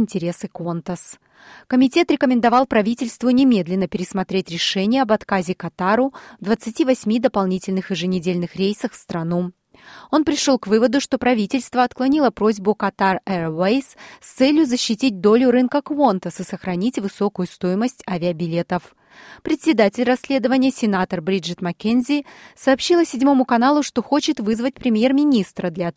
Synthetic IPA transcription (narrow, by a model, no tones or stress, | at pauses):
ɪnʲtʲɪɾʲe̞sɨkont̪əs | kəmʲɪtʲe̞t̪ɾʲɪkəmʲɪnd̪ɐvɑlˠpɾɐvʲitʲɪlʲst̪vʊnʲɪmʲe̞d̪lʲɪnːəpʲɪɾʲɪsmɐt̪ɾʲetʲɾʲɪʂɛnʲɪjəɐbɐt̪kazʲɪkɐt̪aɾʊvd̪vət̪sɨtʲivɐsʲmʲid̪əpɐlˠnʲitʲɪlʲnɨxjɪʐɨnʲɪdʲelʲnɨxɾʲejsəxfst̪ɾɐnu | o̞npɾʲɪʂo̞lˠkvɨvəd̪ʊʂt̪o̞pɾɐvʲitʲɪlʲst̪vəɐt̪klˠɐnʲilˠəpɾo̞zʲbʊkɐt̪arɛrwejsst̪sɛlʲjʊzəɕːɪtʲit̚ʲd̪o̞lʲʊɾɨnkəkvont̪əsɨsəxɾɐnʲitʲvɨso̞kʊjʊst̪o̞jɪməsʲtʲavʲɪəbʲɪlʲe̞t̪əf | pɾʲɪt̪ʲsʲɪd̪atʲɪlʲrɐsʲlʲe̞d̪əvənʲɪjəsʲɪnat̪ərbɾʲiʐɨt̪mɐkʲenzʲɪsɐːpɕːilˠəsʲɪdʲmo̞mʊkɐnalˠʊʂt̪o̞xo̞t͡ɕɪt̪vɨzvət̚ʲpɾʲɪmʲje̞rmʲɪnʲist̪ɾəd̪lʲa